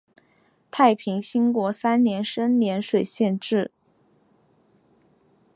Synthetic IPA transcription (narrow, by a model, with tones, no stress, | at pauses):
t̪ʰa˥˩ɪpʰi˧˥ŋɕi˥ŋkwɔ˧˥sa˥nnjɛ˧˥nʂə˥nnjɛ˧˥nʂwe˨˩ɪɕjɛ˥˧nʈ͡ʂɻ̩˥˩